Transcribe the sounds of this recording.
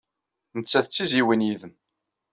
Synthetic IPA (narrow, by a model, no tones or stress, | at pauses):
nət͡sːæθət͡sːiziwinjiðəm